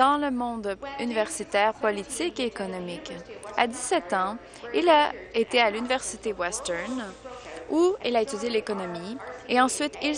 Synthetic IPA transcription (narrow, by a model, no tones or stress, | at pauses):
ɑ̃ləmɔ̃d̪ynivɛʁsit̪ɛːʁpɔlit̪ikeːkɔnɔmika̰d̪isɛt̪ɑ̃ | ilaet̪ealynivɛʁsit̪ewɛst̪ɛʁn | uilaet̪ydd͡zjelekɔnɔmieɑ̃sɥit̪il